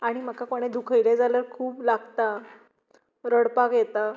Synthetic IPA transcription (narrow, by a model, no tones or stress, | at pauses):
aɽ̃im̤əkakoɽ̃ed̪ukʰəjɾed͡zaləɾkʰuːblaɡt̪a | ɾəɽpakjɛt̪a